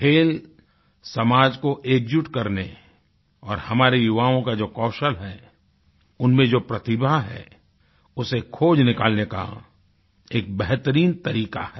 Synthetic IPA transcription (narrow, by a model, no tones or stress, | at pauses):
kʰeːl | sɐmaːd͡ʒkoʔeːkd͡ʒʊʈkɐɾne | ɔːɾhɐmaːɾejʊʋaːõkad͡ʒoːkɔːʃəlɦɛː | ʊnmẽd͡ʒoːpɾɐt̪ɪbʱaɦɛ̰ː | ʊsekʰːoːd͡ʒnɪkaːlneka̰ | eːk̚bɛɦt̪əɾiːnt̪ɐɾiːka̰hɛː